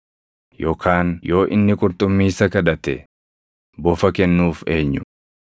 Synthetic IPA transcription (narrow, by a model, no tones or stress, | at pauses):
jo̞ːkʰaːnjo̞ːʔɪ̰nːɪkʼʊɾt̪ʼʊmːiːsɐkɐd̪ɐt̪ɛ̰ | bɔfɐkɛnːuːfe̞ːɲːʊ